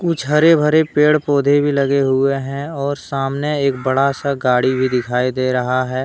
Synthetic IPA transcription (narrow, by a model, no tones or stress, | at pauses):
kʊt͡ʃʰɦɐɾebʱəɾepeːɽpoːd̪ʱebʱilɐɡeɦʊeɦɛ̃ɔːɾsaːmneeːk̚bɐɽasaɡaːɽibʱid̪ɪkʰaːid̪eːɾɐɦaɦɛː